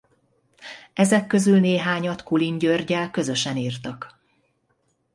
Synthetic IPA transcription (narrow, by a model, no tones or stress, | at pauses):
ɛzɛkːø̞zylneːɦaːɲɒt̪kuliɲɟørɟɛlkø̞zø̞ʃɛniːrt̪ɒk